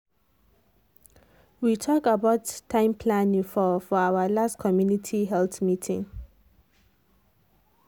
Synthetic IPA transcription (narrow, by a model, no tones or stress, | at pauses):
witʰɔkabaʊtʰːãɪ̃mpʰlãnĩŋfɔfɔawəlastkʰɔmjunitʰiɦɛlθmitʰḭ̃ŋ